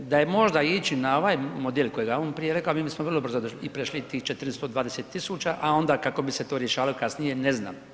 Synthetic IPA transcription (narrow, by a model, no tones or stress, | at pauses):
d̪ajemo̞ʒd̪ait͡ʃinao̞ʋaːjmod̪eːlʲkojeɡaoːnpɾijeɾekaomiːbismoʋrlˠobr̩zod̪oʃiipɾeʃlit̪iːht͡ʃet̪rnest̪od̪ʋaːd̪eset̪ːisut͡ʃaʔao̞nd̪aːkako̞biset̪oːɾjeʃaːʋalokasnijenezna̰ːm